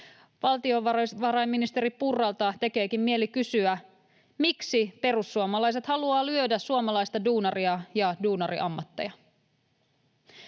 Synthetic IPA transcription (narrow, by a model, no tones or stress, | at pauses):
ʋɑlt̪io̞ʋɑʋɑɾɑjmːinist̪eɾipurːɑlt̪ɑt̪e̞ke̞ːkimmie̞likysyæ | miksipe̞ɾusːuomɑlɑjs̬e̞t̪hɑluɑːlyødæsuomɑlɑjst̪ɑduːnɑriɑjɑduːnɑɾḭʔɑmːɑt̪ːḛjɑ